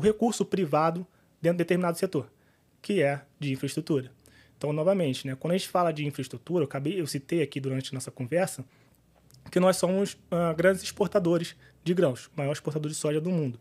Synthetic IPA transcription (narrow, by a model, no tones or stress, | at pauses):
ʊɦekuɾsʊpɾivad̪ʊ | d̪ẽt̪ɾd̪et̪eɾminad̪ʊset̪oɾ | kɪɛd͡ʒɪĩfɾɐɪiʃt̪ɾut̪uɾɐ | ẽt̪ɐ̃w̃nɔvɐmẽnt͡ʃɪnɛkwɐ̃d̪ɐʒẽt͡ʃɪ̥falɐd͡ʒɪĩfɾɐiʃt̪ɾut̪uɾɐewkabejewsit̪ejakid̪uɾɐ̃nt͡ʃɪɐnɔsɐkõvɛɾsɐ | kɪnɔjssõmʊsɛɡɾɐ̃nd͡ʒɪzɪʃpoɾt̪ad̪oɾɪz | d͡ʒɪɡɾɐ̃wsmajɔɾɪʃpoɾt̪ad̪oɾd͡ʒɪsɔʒɐd̪ʊmũnd̪ʊ